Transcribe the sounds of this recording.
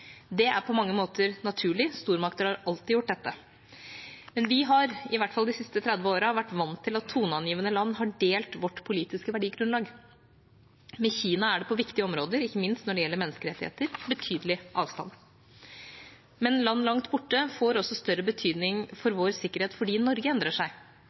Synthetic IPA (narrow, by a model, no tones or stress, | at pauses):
d̪ɛæɾpʰɔmɑŋːəmoːt̪əɾnɑt̪ʰʉːɭɪst̪uːɾmɑk̚t̪əɾhɑɾɑlt̪ɪjʊʈ̚ːd̪ɛt̪ːə | mɛnʋɪɦɑɾɪʋæʈːfɑld̪ɪsɪst̪ət̪ʰɾɛd̪ʋəoːɾəʋæʈːʋɑnt̪ʰːɪlɑt̪ʰːuːnɑnjiːʋənəlɑnːɦɑɖeːlt̪ʋɔʈːpʰʊliːt̪ɪskəʋæɖiːɡɾʉnlɑːɡ | mɛçiːnɑæɖɛpʰɔʋɪkt̪ɪəɔmɾoːd̪əɾɪçːəmɪnst̪nɔɖɛjɛlːəɾmɛnːəskəɾɛt̪ːɪhḛːt̪əɾbət̪ʰyːd̪əlɪʔɑːʋst̪ɑ̰n | mɛnlɑnːlɑŋt̪bʊʈːəfoːɾɔsːɔst̪œɾəbət̪ʰyːd̪nɪŋfɔɾʋoːɾsɪkːəɾheːt̪fɔɖiːnɔɾɡəɛnd̪ɾəʂæɪ